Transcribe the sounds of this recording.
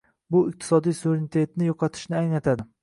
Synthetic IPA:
bʊɪq̚t̪ʰɪ̥sɒd̪ijsuveɾenɪt̪ʰe̞t̪nɪjoqʰɑt̪ʰɪ̥ʃnɪaŋnat̪ʰad̪ɪ

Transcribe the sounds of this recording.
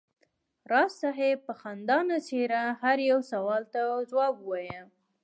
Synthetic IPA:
ɾɑsːaɦepəxand̪ɑnaseɾahaɾjawsawɑlt̪azwɑbuwɑjə

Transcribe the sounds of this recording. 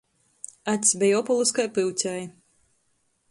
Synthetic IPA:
at̪ʲsʲbʲɛjɔpɔlˠuskajpɨwt̪ʲaj

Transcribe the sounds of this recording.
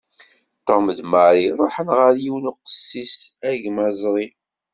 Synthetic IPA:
t̪ːomðmaɾˤiɾˤoħənʁəɾjiwənuqə̥sːisæʝmæzˤɾˤi

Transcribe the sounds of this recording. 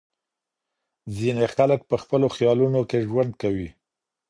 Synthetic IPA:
zinexalək̚pəxpəloxjɑlunokeʒwand̪̚kawi

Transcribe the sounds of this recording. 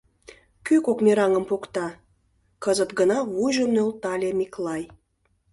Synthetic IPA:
kykokmʲeɾɑŋə̆mpokt̪ɑ | kəzət̪ɡənɑβujʒəmnølt̪ɑlʲemiklɑj

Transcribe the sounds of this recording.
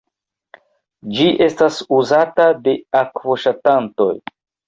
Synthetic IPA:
d͡ʒiʔe̞stasuzatade̞akvo̞ʃatanto̞̰j

